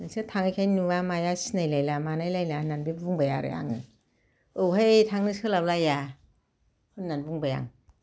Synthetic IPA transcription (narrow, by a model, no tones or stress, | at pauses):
nasɯtʰaŋɯjkʰajnuwamajasinajlajlamanajlajlananbibuŋbajaɾɯ̰a̰ŋɯ | ɯwɦajtʰaŋnɯsɯlawlaja | hɯnnːanbuŋbaja̰ŋ